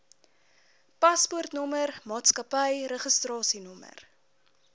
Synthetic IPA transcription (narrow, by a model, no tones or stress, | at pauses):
pɐspurtnɔmərmɑːtskɐpəjɾəχəstrɑːsinɔmə̰r